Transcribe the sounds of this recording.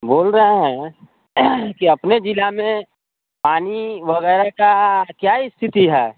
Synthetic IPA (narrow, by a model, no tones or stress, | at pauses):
boːlɾəɦeɦɛ̃ | kiɐpned͡ʒɪlamẽ | paːniʋɐɣɛːɾakakjaːɪst̪ʰɪt̪iɦɛ̰ː